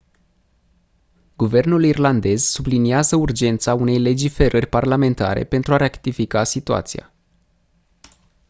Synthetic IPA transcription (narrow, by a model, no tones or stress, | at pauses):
ɡ̥uve̞rnulirland̪e̞z̥subliniazəurd͡ʒe̞nt̪saune̞jle̞d͡ʒife̞ɾərʲparlame̞nt̪a̰ɾe̞̰pe̞nt̪ɾuaɾekt̪ifikasit̪ua̰t̪sḭja̰